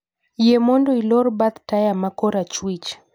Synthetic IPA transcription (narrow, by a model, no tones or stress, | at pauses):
jemɔndɔilɔɾbat̪tajamakɔɾat͡ʃwit͡ʃ